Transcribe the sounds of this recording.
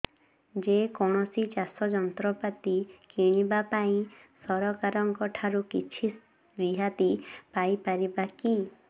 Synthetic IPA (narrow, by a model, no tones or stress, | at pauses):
d͡ʒekɔɽ̃ɔsit͡ʃasɔd͡ʒɔnt̪ɾɔpat̪ikiɽ̃ibapaĩsɔɾɔkaɾɔŋkɔʈʰaɾukit͡ʃʰi | ɾiɦat̪ipajpaɾibaki